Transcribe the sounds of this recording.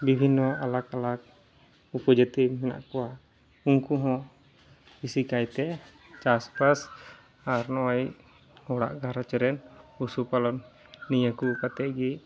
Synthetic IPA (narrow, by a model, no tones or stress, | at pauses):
bibʱinːɔalakalak̚ | upɔd͡ʒat̪immɛna̰ʔkɔwa | uŋkuɦɔ̃ | bisikajt̪ɛ | t͡ʃaspas | aɾnɔaj | ɔɽa̰ʔɡʱaɾat͡ʃəɾɛnusupalɔnː | ijəkupat̪ɛɡi